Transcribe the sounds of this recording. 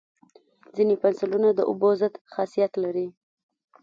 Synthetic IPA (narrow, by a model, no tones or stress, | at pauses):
d͡zinepansʊlunad̪əʔʊ̰bozat̪xɑsijat̪laɾi